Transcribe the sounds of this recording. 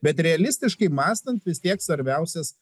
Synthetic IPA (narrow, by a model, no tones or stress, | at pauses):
bʲɛt̪ɾʲɛɐlʲɪsʲt̪ʲɪʃkɐɪmɑːst̪ɐnt̪ʋʲɪsʲt̪ʲiɛksʋɐɾʲbʲæʊsʲɛs